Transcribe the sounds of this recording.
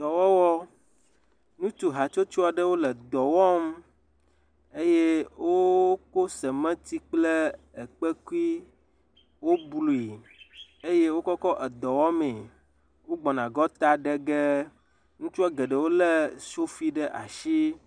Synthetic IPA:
d̪ɔ˨wɔ˦wɔ˦ | nũ˦t̪u˨ɦa˨t͡ʃo˦t͡ʃu˦a˨ɖə˦wo˦lɛ˨d̪ɔ˨wɔ˦m | e˦je˦wo˦ko˦sɛ˨mɛ̃˦t̪i˦k͡ple˦ɛ˨k͡pɛ˦ku˦i˦ | wo˦blu˨i˨ | e˦je˦wo˦kɔ˦kɔ˦ʔɛ˨d̪ɔ˨wɔ˦mɛ̃˨ | wo˦ɡ͡bɔ˨nã˨ɡɔ˦t̪a˦ɖɛ˦ɡɛ˦ | ŋũ˦t͡ʃu˦a˦ɡɛ˨ɖə˨wo˦lɛ˦so˦fi˦ɖə˦ʔa̰˨ʃi˦

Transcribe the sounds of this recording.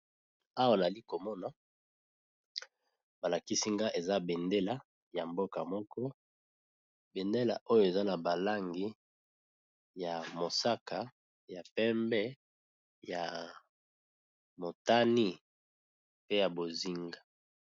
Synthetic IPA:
a˦wa˦˨na˨li˦ko˨mɔ˦na˨ | ba˨la˨ki˦si˦ŋɡa˦ʔe˨za˦be˨nde˦la˦ | ja˨mbo˦ka˨mɔ˦kɔ˦ | be˨nde˦la̰˨ʔo˦jo˨e˨za˦na˨ba˨la˦ŋɡi˦ | ja˨mo˨sa˦ka˨ | ja˨pɛ˦mbɛ˦ | ja˨ | mo˨ta˦ni˦ | pe˦ja˨bo˨zi˦ŋɡa˨

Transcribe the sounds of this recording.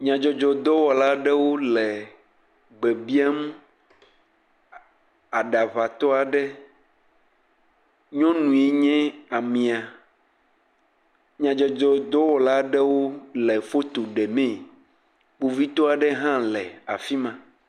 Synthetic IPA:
ɲã˨d͡ʒɔ˨d͡ʒɔ˨d̪ɔ˦wɔ˨la˦ɖɛ˦wo˦lɛ˨ | ɡ͡bɛ˨bi˦a˦mũ˦ | a˨ɖa˨va˨t̪ɔ˦a˨ɖɛ˦ | ɲɔ̃˦nũ˨e˦ɲɛ̃˦a˨mĩ˨a˨ | ɲã˨d͡ʒɔ˨d͡ʒɔ˨d̪ɔ˦wɔ˨la˦ɖɛ˦wo˦lɛ˨fo˦t̪o˨ɖɛ˨mɛ̃˦˨ | k͡po˨vi˦t̪ɔ˦a˨ɖɛ˦ɦã˦lɛ˨a̰˨fi˦mã˨

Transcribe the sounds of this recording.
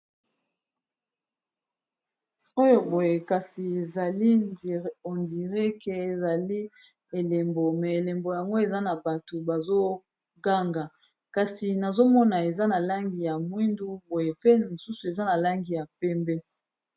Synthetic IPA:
o˦jo˨bo˨je˨ka˨si˨e˨za˨li˦ | o˨ndi˨ʁɛ˦ke˨e˨za˨li˦ | e˨le˨mbo˨mɛ˨e˨le˨mbo˨ja˨ŋɡo˦e˨za˦na˨ba˨to˨ba˨zo˦ | ɡa˦ŋɡa˨ | ka˨si˨na˨zo˦mɔ˦na˨e˨za˦na˨la˦ŋɡi˨ja˨mwi˦ndu˦bo˨je˨pe˦mo˨su˦su˨e˨za˦na˨la˦ŋɡi˨ja˨pɛ˦mbɛ˦

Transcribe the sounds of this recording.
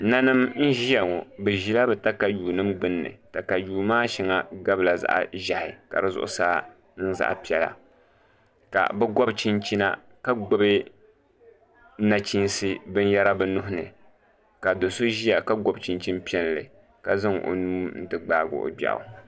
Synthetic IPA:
na˦nɨ˦mn̩˦ʒi˦ja˨ŋɔ˨bɨ˨ʒi˦la˦bɨ˨ta˦ka˨juː˨nɨ˦mɡ͡bɨ˦nːɨ̰˨ta˨ka˨juː˨maː˦ʃi˨ŋa˨ɡa˦bla˨za̰˦ʔa̰˨ʒa˨hɪ˨ka̰˨ɾɨ˦zʊ̰˨ʔʊ̰˦saː˦ | n˦n̩˦za̰˦ʔpi˦ɛ˨la̰˨ | ka̰˨bɛ˦ɡɔ˦bt͡ʃi˦nt͡ʃi˦na̰˦ | ka˦ɡo˦bɨ˦ | na˨t͡ʃi˦nsɨ˦bɨ˦n˦ja˦ɾa˦bɨ˨nʊ˦ɦʊ˦nɨ̰˨ | ka˨do˨so˦ʒi˦ja˨ka˦ɡɔ˦bt͡ʃi˦nt͡ʃi˦npi˦ɛ˦n˨lɨ̰˨ | ka˨zɨ˦ŋʔo̰˨nuː˦n̩˦tɨ˨ɡ͡baː˦˨ɡʊ̰˨˦ʔo̰˨ba̰˨ʔʊ̰˨

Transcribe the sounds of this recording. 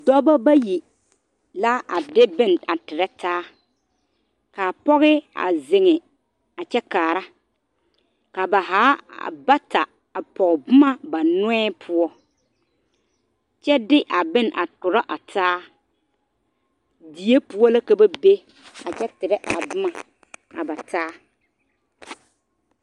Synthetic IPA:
dɔ˦ba˦ba˦ji˨ | la˦a˨dɪ˦bɪ˦na˨tɪ˨ɾɛ˦taː˦ | ka˨pɔ˦ɣɪ˦a̰˨zɪ˨ŋɪ˨ | a˨t͡ʃɛ˦kaː˨ɾa˦ | ka˨ba˨ɦaː˨˦a̰˨ba˦ta˨ | a˨pɔ˨ɣbʊ˦ma˦ba˨nʊ˦ɛː˦pʰʊ˦ɔ˦ | t͡ʃɛ˦dɪ˦ʔa˨bɪ˦na˨tʊ˨ɾa˦ʔa˨tʰaː˦ | di˨e˦pu˦ɔ˦la˦ka˦ba˦be˦ | a˨t͡ʃɛ˦tɪ˨ɾɛ˦ʔa̰˨bʊ˦ma˨ | a̰˨ba˨tʰaː˦

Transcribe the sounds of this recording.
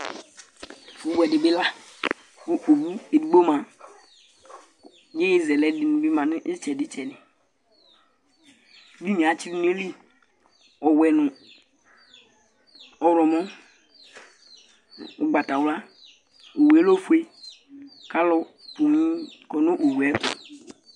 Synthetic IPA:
fu˨˦bu˦ɛ˨dɪ˨bɪ˦la˦ | bu˦ʔo˨bu˦e˨di˨ɡ͡bo˦mã˨ | je˦ji˦zɛ˨lɛ˦dɪ˨nũ˨bi˦mã˨nɪ˦ʔɪ˦t͡ʃɛ˨dɪ˦t͡ʃɛ˨nɪ̃˨˦ | bi˦mĩ˨a˨t͡ʃi˦ɾi˦n˦e˦li˦ | ɔ˨wɛ˨nʊ̃˨ | ɔ˨ɾɔ˨mɔ̃˦ | u˨ɡ͡ba˨ta˨wla˦ | o˨we˨˦lo˦fu˦e˦ | ka˦lɔ˦po˨mĩ˦kɔ˨no˦ʔo˨wu˨ɛ˦pṵ˨

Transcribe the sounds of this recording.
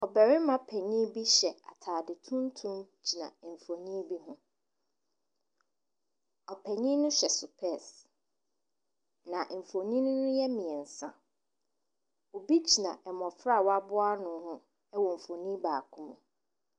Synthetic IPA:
ɔ˨bɛ˨ɾɪ˦mã˦pʰɛ˨ɲĩ˦bi˦ɕɛ˨a̰˨tʰaː˨dɪ˨tʰũ˦n˦tʰũ˦mt͡ɕʰi˨nã̰˨m̩˨fo˨ɲĩ˦bi˦ɦʊ̃˦ | ɔ˨pʰɛ˨ɲĩ˦nʊ̃˦ɕɛ˨sʊ˨pʰɛ˦˨s | nã˨ʔm̩˨fo˨ɲĩ˦nʊ̃˦nʊ̃˦jɛ˦mĩ˨ɛ˨n̩˨sã̰˦ | o˨bi˦d͡ʑʰi˨nã̰˨ʔɛ˨mɔ̃˨fɾa˦˨wa˦bʊ˦a˦nʊ̃˦hʊ̃˦ | ɛ˦wɔ˨m̩˨fo˨nĩ˦baː˨kʰʊ̃˦mʊ̃˨

